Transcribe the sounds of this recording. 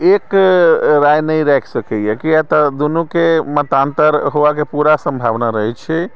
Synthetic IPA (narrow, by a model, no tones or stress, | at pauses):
ek | ɾajnəjɾɛkʰsəkɛjekijat̪ɔd̪unukemət̪ant̪əɾɦoʋakepuɾasəmbʱaʋnaɾəɦɛt͡ʃʰɛ